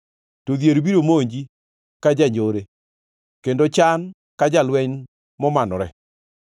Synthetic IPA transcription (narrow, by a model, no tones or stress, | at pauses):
toðjeɾbiɾomoɲd͡ʒi | kad͡ʒaɲd͡ʒoɾe | kendot͡ʃan | kad͡ʒalwɛɲn | mɔmanɔɾɛ̰